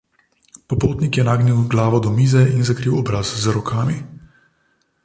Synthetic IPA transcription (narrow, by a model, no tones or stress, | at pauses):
pɔpoːt̪nikjɛnaːɡniwɡlaːʋɔd̪ɔmiːzɛʔinzakɾiːwɔbɾazzɾɔkʰaːmi